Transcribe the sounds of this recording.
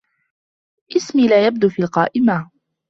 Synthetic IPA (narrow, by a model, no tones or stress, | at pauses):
ʔɪsmiːlaːjab̚d̪uːfiːlqɑ̰ːʔɪma